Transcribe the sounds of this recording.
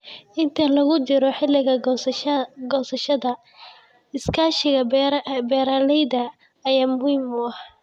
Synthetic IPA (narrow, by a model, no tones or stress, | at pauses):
ʔɪnt̪ʰɐlɐɣʊt͡ʃɪɾɔħɪlɪɣɐ | ɡɔːsɐʃɐðɐ | ɪskʰaːʃɪɣɐbɛːɾaːlɛjðɐ | ɐjaːmʊhiːmʊɐh